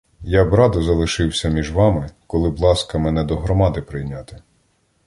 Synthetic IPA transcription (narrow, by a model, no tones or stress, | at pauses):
jabɾɑd̪ɔzɐlˠɪʃɪwsʲɐmʲiʒʋɑmɪkɔlˠɪblˠɑskɐmɛnɛd̪ɔɦɾɔmɑd̪ɪpɾɪjnʲat̪ɪ̥